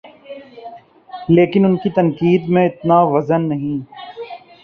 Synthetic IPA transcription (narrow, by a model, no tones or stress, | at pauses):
leːkɪnʊnkit̪ɐnkiːd̪mẽɪt̪naʋɐzənːɐɦĩː